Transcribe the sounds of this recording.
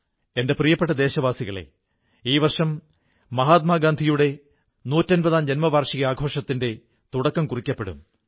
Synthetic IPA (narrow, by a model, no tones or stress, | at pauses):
e̞nde̞prijɐpːeʈːɐd̪e̞ːɕɐʋaːsiɣɐɭḛ | iːʋɐrʂɐmː | ɐɦaːt̪̚maːɡaːnd̪ʱijuɽe̞ | nuːtːɐnbɐðaːmd͡ʑenmɐʋaːrʂiɣɐaːɡʱo̞ːʂɐt̪ːinde̞ | t̪uɽɐkːɐmkurikʲːɐpːeɽṵm